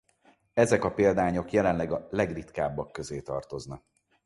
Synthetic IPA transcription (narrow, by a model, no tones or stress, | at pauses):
ɛzɛkɒpeːld̪aːɲo̞kjɛlɛnlɛɡɒlɛɡrit̪kaːbːɒkːø̞zeːt̪ɒ̰rt̪o̞znɒk̚